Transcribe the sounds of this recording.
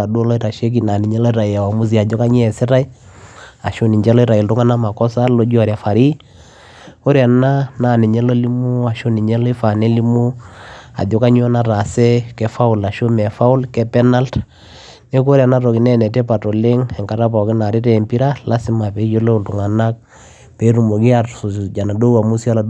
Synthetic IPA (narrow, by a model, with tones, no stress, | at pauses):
a˨du˦ɔ˦lɔ˦i˦ɾa˨ʃe˦k̬i˨na˨ni˨ɲɛ˦lɔ˦i˦ɾa˨i˨a˨wa˨mu˦zi˨a˨dɔ˦ka˦ɲ˦ɛ˨sɛ˦ɾa˦i˦ | a˨ʃo˦ni˨ɲd͡ʒɛ˦lɔ˦i˦ɾa˨i˨ldu˦ŋa˦na˦ma˨kɔ˦sa˦lo˦d͡ʒɔ˨ɾja˨fa˨ɾi˦ | o˦ɾa˨na˦na˨ni˨ɲɛ˦lo˦li˦mu˦a˨ʃo˦ni˨ɲɛ˦lɔ˦i˦fa˨nɛ˦li˦mu˦a̰˨do˦ka˦ɲ˦ɔ˦na˦ɾa˨sɛ˦kɛ˨˦fa˦u˨la˨ʃo˦mɛ˨fa˦u˦lkɛ˦pɛ˦na˦lt | ne˦k̬o˦ɾja˨na˦ɾo˨ki˨nɛ˦˨nɛ˨tɛ˦pa˨to˨le˦ŋɛ˨ŋka˨ɾa˦pɔ˨ki˦na˨ɾi˦tɛ˨mpi˦ɾa˦la˦si˦ma˨pɛ˨˦d͡ʒo˦lo˦˨ltu˨ŋa˨na˦k̚ | pɛ˨i˦ɾu˨mo˨ɡi˦a˦sd͡ʒa˨na˨do˦wa˨mu˦sa˦la˨